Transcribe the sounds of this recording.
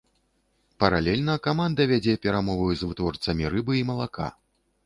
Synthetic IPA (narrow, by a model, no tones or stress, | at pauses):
pɐɾalʲɛlʲnɐkamand̪ɐvʲad͡zʲɛpʲɛɾamɔvɐjuzvɨt̪vɔrt̪sɐmʲiɾɨbɨimɐlˠakʰa̰